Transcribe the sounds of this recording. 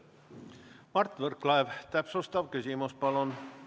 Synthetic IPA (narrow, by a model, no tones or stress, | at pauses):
mɑrt̪ːˑvərklɑevt̪æpsust̪ɑvkysʲimuspɑlon